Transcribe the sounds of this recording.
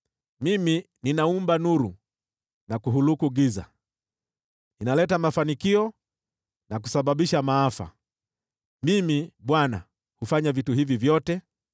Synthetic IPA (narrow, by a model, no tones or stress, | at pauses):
mimi | ninaumbanuɾṵ | nakuɦulukuɡiza̰ | ninalɛtamafanikiɔ | nak̬u̥saɓaɓiʃamaafa̰ | mimiɓwana̰ | hufaɲavituɦivivjɔtɛ